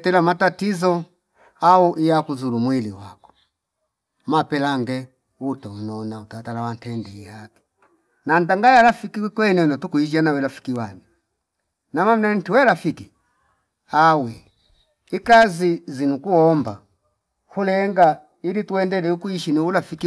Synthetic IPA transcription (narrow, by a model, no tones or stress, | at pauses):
tɛlamatatizɔ | auʔijakuzulumwiliwa̰kɔ̥ | mapɛlaŋɡɛ | utɔunɔnautatalawantɛndɛihaki̥ | nandaŋɡajalafikiwɛkwɛnɛnɔtukuid͡ʒanawɛlafi̥kiwani | namam̩nan̩tiwɛlafiki | awɛ | ikazizinukuɔmba | hulɛŋɡa | ilituɛndɛlɛukuiʃiniulafiki